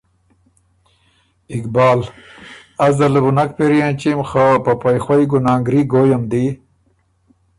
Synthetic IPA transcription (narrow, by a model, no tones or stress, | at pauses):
ikbaːl | azd̪ɐləbunakpeɾijãt͡ɕimxapɐpajxwajɡunaːŋɡɾiɡojɐmd̪i